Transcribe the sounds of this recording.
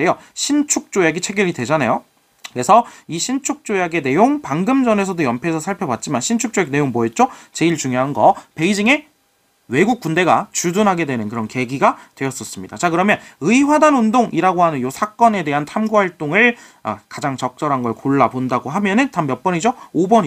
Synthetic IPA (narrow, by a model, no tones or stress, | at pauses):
ejoɕʰint͡ɕʰuk̚t͡ɕ͈ojaɡit͡ɕʰe̞ɡjʌɾidwe̞d͡ʑanajo | kɯɾe̞sʰʌiɕʰint͡ɕʰuk̚t͡ɕ͈ojaɡe̞ne̞joŋpaŋɡɯmd͡ʑʌne̞sʰʌdojʌmpʰeːsʰʌsʰaɭpʰjʌbat̚t͡ɕ͈imanɕʰint͡ɕʰuk̚t͡ɕ͈ojakne̞joŋmoet̚t͡ɕ͈ot͡ɕe̞iɭt͡ɕuŋjoɦanɡʌpe̞id͡ʑiŋe̞ | we̞ɡuk̚k͈unde̞ɡat͡ɕudunɦaɡe̞dwe̞nɯnkɯɾʌnke̞ɡiɡatwe̞jʌs͈ʌs͈ɯmɲid̥a̰t͡ɕakɯɾʌmjʌnɯiɸwadanundoŋʔiɾaɡoɦanɯnjosʰak͈ʌne̞de̞ɦantʰamɡuhaɭt͈oŋɯɭ | a̰kad͡ʑaŋt͡ɕʌk̚t͡ɕ͈ʌɾɦanɡʌɭkoɭːapondaɡoɦamjʌnɯntamjʌp͈ʌɲid͡ʑoobʌɲ